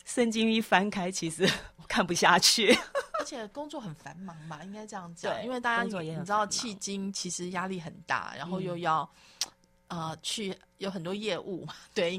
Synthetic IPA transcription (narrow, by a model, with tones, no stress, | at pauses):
ʂə˥˧nt͡ɕi˥ŋi˥˩fa˥nkʰa˥ɪt͡ɕʰi˧˥ʂɻ̩˧˥wɔ˨˩kʰa˥˩npu˨˩ɕja˥˧t͡ɕʰy˥˩ə˧˥t͡ɕʰjɛ˨˩kʊ˥ŋt͡swɔ˥˩xə˨˩nfa˧˥nmɑ˧˦ŋmɐ˧i˥ŋka˥ɪʈ͡ʂɤ˥˧jɑ˥˩ŋt͡si˥nwe˥˧t̪a˥˧˩ja˥i˨˧˨ʈ͡ʂ̩̪˥ɑ˥˧ʊt͡ɕʰi˥˩t͡ɕi˥ŋt͡ɕʰi˧˥ʂɻ̩˧˦ja˥li˥˩xə˨˩nt̪a̰˥˩ɻa̰˧˦nxo˥˧ʊjo˥˧ʊjɑ˥˩ʊ | ə˧t͡ɕʰy˥˩jo˧˥ʊxə˨˩nt̪wɔ˥jɛ˥˧ʔu˥˩ma˩t̪we˥˩ɪ